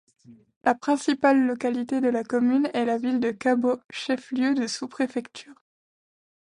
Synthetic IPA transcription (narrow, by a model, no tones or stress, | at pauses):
lʔapχɛ̃sipalːɔkalit̪ed̪əlakɔmynɛlavild̪əkaboʃɛfljød̪əsupχefɛkt̪ʰyːʁ